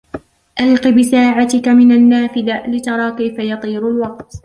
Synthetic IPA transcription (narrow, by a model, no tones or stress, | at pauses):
ʔalqibɪsaːʕat̪ɪkamɪnanːaːfɪd̪alɪt̪ɑɾˤɑːkajfajɑt̪ˤiːɾʊlwɑq̚t̪